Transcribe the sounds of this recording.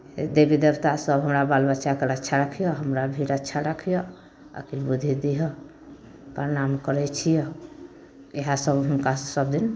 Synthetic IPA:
d̪ebid̪əbt̪asəbɦəmɾabalbətːt͡ʃakəɾətːʃʰaɾəkʰijɔɦəmɾabʱiɾətːʃʰaɾəkʰijɔ | ə̰kilbud̪ʱid̪iɦɔ | pəɾnamkəɾɛt͡ʃʰijɔ | eɦasəbɦunkasəb̚d̪in

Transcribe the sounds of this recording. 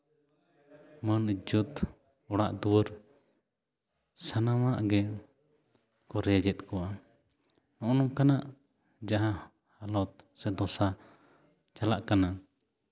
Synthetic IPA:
mənid͡ʒɔt̪ | ɔɽaʔd̪uwəɾ | sanamaʔɡɛ | kɔɾɛjad͡ʒɛt̪̚kɔwa | nɔ̃ʔnɔmkanaʔ | d͡ʒaɦã | halɔt̪̚sɛd̪ɔsa | t͡ʃalaʔkanaʔ

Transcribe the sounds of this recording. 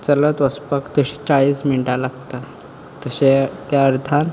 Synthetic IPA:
t͡sələt̪ʋəspəkt̪əɕi̥t͡saɭiːsmiɳʈalaɡt̪a | t̪əɕet̪jaəɾt̪an

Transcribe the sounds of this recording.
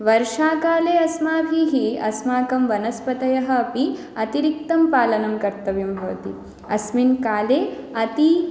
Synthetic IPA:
ʋɐɾʃaːkaːleːɐsmaːbʱiɦiɐ̰smaːkɐmʋɐnɐspɐt̪ɐjɐɦɐ̆ːpi | ɐt̪iɾik̚t̪ɐmpaːlɐnɐmkɐɾt̪ɐʋjumbʱɐʋɐ̰t̪i | ɐ̰sminkaːleːɐt̪i

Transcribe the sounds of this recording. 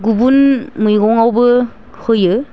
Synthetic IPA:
ɡubunmɯjɡɔŋawbɯ | hɯjɯ

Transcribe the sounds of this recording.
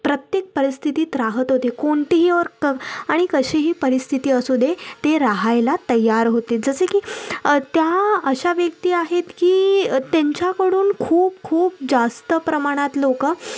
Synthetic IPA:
pɾət̪jek̚pəɾist̪ʰit̪iːt̪ɾaɦət̪ɦot̪ekoɳʈ̪iɦiːəɾkəaɽ̃ikəɕeɦiːpəɾist̪ʰit̪iːəsud̪ʱet̪eɾaɦajlat̪əjaɾɦot̪ed͡zəsekiːt̪jaəɕaʋjək̚t̪iːaɦet̪kiːt̪eɲt͡ɕjakəɽuːnkʰuːpkʰuːp̚d͡zast̪əpɾəmaɽ̃at̪lokə

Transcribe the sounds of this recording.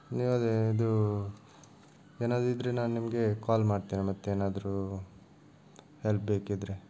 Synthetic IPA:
niːʋɐd̪eid̪u | eːnaːd̪ɾuid̪ɾenaːnnimɡe̞kaːlmaːɖt̪iːnimɐt̪ːeeːnaːd̪ɾu | help̚beːkid̪ɾe

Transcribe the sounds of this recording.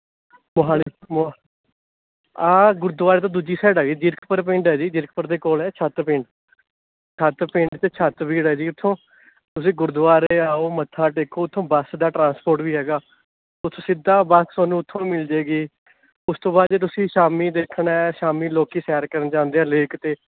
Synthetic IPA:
mʊɦaːlim | aːɡʊɾd̪ʋaːɾeːt̪õːd̪uːd͡ʒiːsɛːɖaːɡiːd͡ʒɪɾkpəɾp̬ɪ̃ɳɖɦɛːd͡ʒiːd͡ʒɪɾk̚pəɾd̪eːkoːlɛːt͡ʃʰət̪pɪ̃ɳɖ | t͡ʃʰət̪pɪ̃ɳɖt̪eːt͡ʃʰət̪biːɽɦɛːd͡ʒiːʊt̪ʰːõː | t̪ʊs̬ĩːɡʊɾd̪ʋaːɾeːaːoːmət̪ʰːaːʈeːkʰoːʊt̪ʰːõːbəsd̪aːʈɾãːnspoːɾʈʋiːɦɛːɡaː | ʊt̪ʰõːsɪd̪aːbəssoːnũːʊt̪ʰːõːmɪld͡ʒeːɡiː | ʊst̪õːbaːd̪eːt̪ʊsĩːʃaːmiːd̪eːkʰɳɛːʃaːmiːloːkiːsɛːɾkəɾənt͡ʃãːnd̪eːãːleːkt̪eː

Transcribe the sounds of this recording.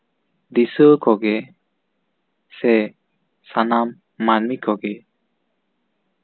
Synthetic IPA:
d̪isəkɔɡɛ | sɛ | sanamː | anmikʰɔɡɛ

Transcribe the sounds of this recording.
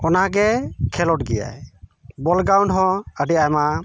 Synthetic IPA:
ɔnaɡɛkʰɛlɔʈɡɛ̰ja̰jbɔlɡɾawɳɖɦɔ̃əɖiajma

